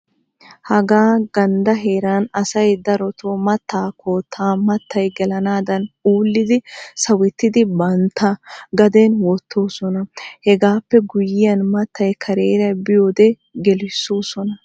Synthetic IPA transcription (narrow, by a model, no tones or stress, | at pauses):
hɐɡaːɡɐnd̪ɐɦe̞ːɾaːnɐsɐjd̪ɐɾɔt̪ʰoːmɐt̪ːaːkʰoːt̪ʰːaːmɐt̪ːɐjɡɛlɐnaːd̪ɐnuːlːɪd̪ɪsɐwɛt̪ːɪd̪ɪbɐnt̪ːɐɡɐd̪enwɔt̪ːo̞ːsɔnɐhɛɡaːpːɛɡʊjɪjɐnmɐt̪ʰːɐjkʰɐɾeːɾɐjbɪjo̞ːd̪ɛ | ɡɛlɪsːoːsɔnɐ